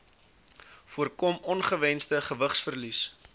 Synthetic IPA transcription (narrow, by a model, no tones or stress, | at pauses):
fuərkɔmɔnχəvɛnstəχəvəχsfərlis